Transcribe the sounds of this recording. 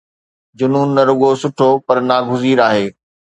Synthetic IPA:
d͡ʑʊnuːnːɐɾʊɠosʊʈʰopɐɾnaːɡʱʊziːɾaːɦeː

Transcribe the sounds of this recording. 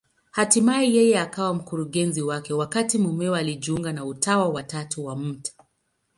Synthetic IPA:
hatimaijɛjɛakawam̩kuɾuɠɛnziwakɛwakatimumɛwaliʄiuŋɡanautawawatatuwam̩tḁ

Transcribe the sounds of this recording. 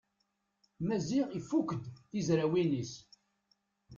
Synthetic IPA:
mæziʁifːukʷəd̪θizɾæwinis

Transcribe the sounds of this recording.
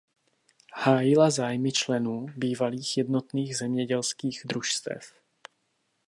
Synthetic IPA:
haːjɪlazaːjmɪt͡ʃlɛnuːbiːvaliːxjɛdno̞t̪niːɣzɛmɲɛɟɛlskiːɣd̪ɾuʃst̪ɛ̰f

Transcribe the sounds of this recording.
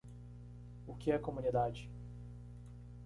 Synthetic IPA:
ʊkʲɪɛɐkomũnid̪ad͡ʒɪ

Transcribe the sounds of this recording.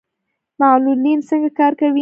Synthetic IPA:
malulinsəŋɡakɑɾkawi

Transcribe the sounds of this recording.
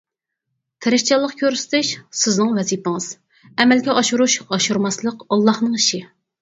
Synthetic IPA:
t̪ʰɪɾɪʃʲt͡ʃʰɑlˠːəqkʲʰøɾsɪ̥t̪ʰɪʃsɪznɨŋvɛzipɪŋɨz̥ | ɛmɛlɡʲɛʔɑʃuɾuʃɑʃuɾmɑslˠəqɑlˠːɑhnɨŋiʃɪ

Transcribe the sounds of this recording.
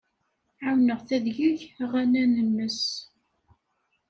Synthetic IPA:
ʕawnəʁθæðʝəʝʁænænənːəs

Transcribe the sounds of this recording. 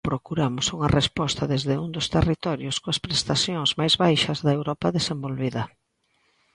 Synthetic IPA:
pɾokuɾamʊsuŋɐrespɔst̪ɐðezðeuŋd̪ʊst̪erit̪ɔɾjʊskoɐspɾest̪aθjoŋzmajzβajʃɐzðɐewɾɔpɐðesembolβiðɐ

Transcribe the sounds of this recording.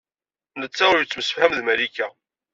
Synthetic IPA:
nət͡sːaʊɾjət͡sːməsə̥fhæmðmælikːæ

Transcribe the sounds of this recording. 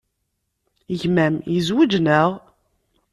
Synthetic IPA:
əʝmæmjəzwəd͡ʒnəʁ

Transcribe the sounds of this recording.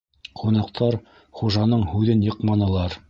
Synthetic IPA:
qunɑqt̪ʰɑɾ | χuʒɑnɤɴhʉðɘnjɤ̆qmɑnɤ̆lˠɑɾ

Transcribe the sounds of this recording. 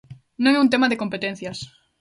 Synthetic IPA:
nõŋɛunt̪emaðekompet̪en̟θjas

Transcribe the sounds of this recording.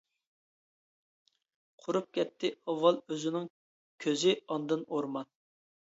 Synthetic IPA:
qʰʊɾup̚kʲɛt̪ʰːɪɑwːɑlˠøzɪnɪŋ | kʲʰøzɪɑnd̪ɨnoɾmɑn

